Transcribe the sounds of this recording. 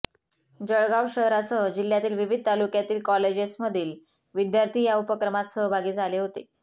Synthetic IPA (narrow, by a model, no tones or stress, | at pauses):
d͡ʑəɭɡawɕəɦɾasəd͡ʑil̤jat̪iːlʋiʋid̪̚ʱt̪alukjat̪iːlkɔled͡ʑesməd̪ʱiːl | ʋid̪jaɾt̪ʰiːjaupəkɾəmat̪səɦbʱaɡiːd͡zʱaleɦot̪e